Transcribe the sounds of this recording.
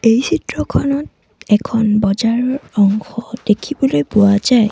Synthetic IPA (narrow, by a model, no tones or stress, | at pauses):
ejsʰitɹɔkʰɔnɔt | ɛkʰɔnbɔd͡ʒaɹɔɹɔŋxɔdekʰibɔlojpuwazaj